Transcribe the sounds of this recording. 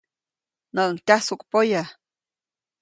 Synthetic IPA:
nəʔəŋtʲahsukpoja

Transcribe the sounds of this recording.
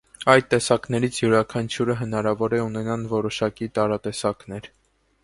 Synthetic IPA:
ɑjd̪t̪ːɛsɑknɛɾit͡sʰjuɾɑkʰɑnt͡ʃʰjuɾəɦənɑɾɑvɔɾɛunɛnɑnvɔɾɔʃɑkit̪ɑɾɑt̪ɛsɑknɛɾ

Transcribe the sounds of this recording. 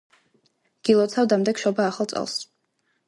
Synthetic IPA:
ɡ̥ilˠɔt̪sʰavd̪amd̪ɛkʃɔbaːχalˠt̪sʼɛ̰lˠs

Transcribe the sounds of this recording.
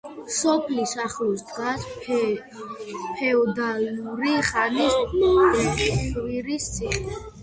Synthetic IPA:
sɔpʰlisaχlusd̪ɡas | pʰɛɔd̪aliuɾiχanis | wiɾist̪sʰiχɛ

